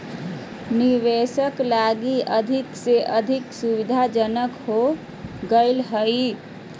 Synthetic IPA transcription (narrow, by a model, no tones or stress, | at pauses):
niʋesəklaɡiʔəd̪ʱikseʔəd̪ʱiksubid̪ʱad͡ʒənəkho | ɡəɪlɦəi